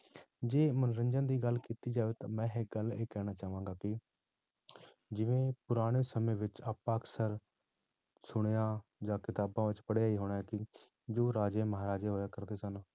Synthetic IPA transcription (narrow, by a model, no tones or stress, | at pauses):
d͡ʒeːmənɾəɲd͡ʒənd̪iːɡəlkiːt̪iːd͡ʒaːʋeːt̪ãːmɛ̃ːɦɪk̚ɡəleːkɛːɽ̃aːt͡ʃaːʋãːŋɡaːkɪ | d͡ʒɪʋẽːpʊɾaːɽ̃eːsəmẽːʋɪt͡ʃaːpaːəksəɾ | sʊɽ̃eːãːd͡ʒaːkɪt̪aːbãːʋɪt͡ʃpəɽjaːiːɦoːɽ̃aːɦɛːkɪ | d͡ʒoːɾaːd͡ʒeːməɦaːɾaːd͡ʒeːɦoːjaːkəɾd̪eːsən